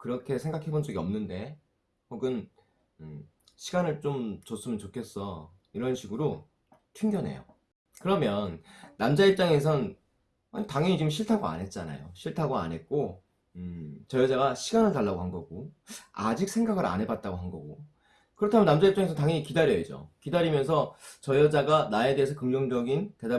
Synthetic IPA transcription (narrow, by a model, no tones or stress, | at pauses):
kɯɾʌkʰe̞sʰeŋɡakʰe̞bond͡ʑʌɡiʌ̰mnɯnde̞ | koɡɯn | ɯ | ɕʰiɡanɯɭt͡ɕ͈omt͡ɕos͈ɯmjʌnt͡ɕokʰe̞s͈ʌ | iɾʌnɕʰiɡɯɾo | tʰuŋɡjʌne̞̰jo̰ | kɯɾʌmjʌnːamd͡ʑaiɭp̚t͡ɕ͈aŋe̞s̬ʰʌn | a̰taŋjʌɲit͡ɕimɕʰiɭtʰaɡoa̰nɦe̞t̚t͡ɕ͈ana̰jo̰ɕʰiɭtʰaɡoa̰nɦe̞t̚k͈o | t͡ɕʌjʌd͡ʑaɡaɕʰiɡanɯɭtaɭːaɡoɦanɡʌɡoa̰d͡ʑik̚sʰe̞ŋɡaɡɯɾa̰nɦe̞bat̚t͈aɡoɦanɡʌɡo | kɯɾʌtʰamjʌnamd͡ʑaipt͡ɕ͈aŋesʰʌntaŋjʌɲikidaɾjʌid͡ʑo̰kidaɾimjʌnsʰʌt͡ɕʌjʌd͡ʑaɡanae̞de̞ːsʰʌkɯŋd͡ʑʌŋd͡ʑʌɡinte̞da